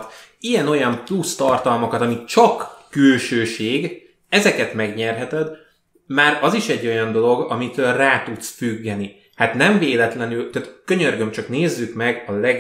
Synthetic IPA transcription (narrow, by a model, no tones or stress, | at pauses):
t̪ | ijɛno̞jɒmplust̪ɒrt̪ɒlmɒkɒt̪ɒmit͡ʃɒkːylʃøːʃeːɡ | ɛzɛkɛt̪mɛɡɲɛrɦɛt̪ɛd̪ | maːɾɒziʃɛɟːo̞jɒnd̪o̞lo̞ɡɒmit̪ølraːt̪ut̪sfyɡːɛni | hat̪nɛɱveːlɛt̪lɛnylt̪at̪køɲørɡømt͡ʃɒkneːzːykmɛɡɒlɛ